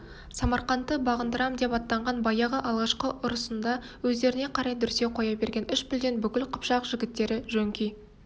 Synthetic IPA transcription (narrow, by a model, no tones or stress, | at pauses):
sɑmɑɾqɑnt̪ːəbɑʁənd̪əɾɑmd̪e̞pɑt̪ːɑɴʁɑnbɑjɑʁəʔɑlˠʁɑʃqəʔʊɾəsənd̪ɑ | wɵzd̪e̞ɾɪne̞qʰɑɾɑjd̪ʏɾse̞qʰo̞jɑbe̞ɾɡʲe̞nʏʃpɪld̪e̞nbʏkʲɪlqʰə̥pʃɑqʒ̥ɪɡʲɪt̪ːe̞ɾɪʒɵŋkʲij